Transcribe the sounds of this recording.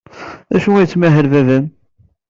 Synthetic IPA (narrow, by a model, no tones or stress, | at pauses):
æʃuæjət͡sːmæɦəlvævæn